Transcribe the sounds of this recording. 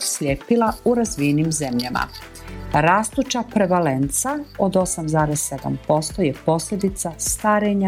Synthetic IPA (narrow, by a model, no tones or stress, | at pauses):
slʲjeːpilauɾazʋienimze̞mʎama̰ | ɾaːst̪ut͡ʃapɾe̞ʋalent̪saod̪o̞samzaːɾesːe̞d̪a̰mpo̞st̪o̞jepo̞slʲe̞d̪it̪sast̪aːɾeɲa